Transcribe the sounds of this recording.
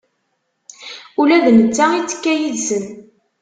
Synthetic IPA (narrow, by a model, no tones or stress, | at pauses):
ulæðnət͡sːait͡sːə̥kːæjilsən